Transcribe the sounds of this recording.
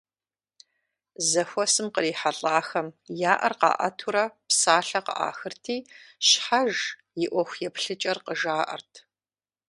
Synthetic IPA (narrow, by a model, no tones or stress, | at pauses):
zɐxʷɔsɨmqəriːħaɬʼaːxɐmjaːʔɐ̰rqɑ̰ːʔɐ̰tʰuɾɐpsaːɬɐqə̰ʔa̰ːxɨrtʰiːɕħaʒ | jɪʔʷɔxʷjɛpɬɨt͡ʃʼɐrqəʒaːʔɐ̰rtʰ